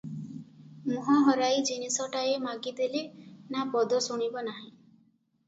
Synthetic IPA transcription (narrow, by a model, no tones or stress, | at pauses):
muɦɔɦɔɾajd͡ʒinisɔʈaemaɡid̪elenapɔd̪ʱɔsuɽ̃ibɔnaɦĩ